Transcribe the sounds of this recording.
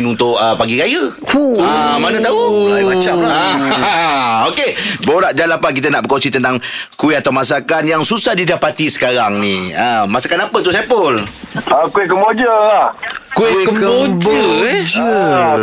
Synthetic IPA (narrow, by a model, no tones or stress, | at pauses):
nunt̪ʊʔəpaɡiɾajə | amanə̃t̪aulaimat͡ʃamlaa | okeboɾaʔd͡ʒalapak̬it̪̬ənaʔbəkonsit̪ənt̪aŋkuɪt̪at̪awmas̬akanjaŋsusahdidapat̪isə̥kaɾaŋniəmasakanapət̪usepʊləkuɪkəmod͡ʒəahku | d͡ʒəd͡ʒə